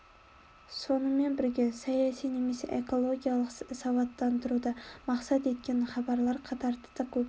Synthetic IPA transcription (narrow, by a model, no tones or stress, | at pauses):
sonɨmenbɪɾɡʲesajasijnemesḛʔekʰolˠoɡʲijalˠəqɪsɑvɑt̪ːant̪ʰɪɾud̪amɑqsat̪e̞t̪̚kʲenχɑbɑɾlaɾqʰɑt̪ʰɑɾt̪d̪akʰɵp